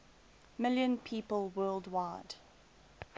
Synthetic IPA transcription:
mɪljə̃npʰiːpəlˠwɜːlˠdwaɪd̥

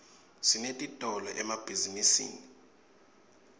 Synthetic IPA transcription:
sinetʼitʼɔlɔʔɛmab̥ʱizinisḭːni

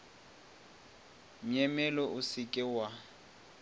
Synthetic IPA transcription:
m̩ɲɛmɛlɔʔʊsɪkʼɪwa

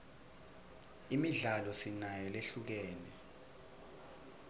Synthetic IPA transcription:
imiɮalɔsinajɔleɬuk̬ɛːnɛ

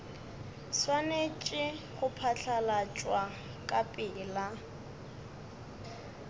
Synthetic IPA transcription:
swanet͡ʃʼɪχʊpʰaɬʰalat͡ʃʼwa | kʼapʼɪːla

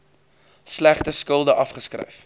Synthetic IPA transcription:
slæχtəskəlˠdəʔɐfχəskrə̰jf

